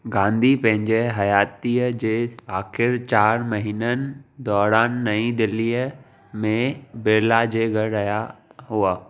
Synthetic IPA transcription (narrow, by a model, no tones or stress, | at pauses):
ɡãːnd̪ʱipɐ̃ɦɪ̃ɲd͡ʑeɦɐjaːt̪iːəd͡ʑeːaːxɪɾt͡ɕaːɾmɐɦiːnənɪ̆d̪ɔːɾaːnːɐĩd̪ɪlːiːə | mẽbɪɾlad͡ʑeːɡɐɾɾɐjaɦuaː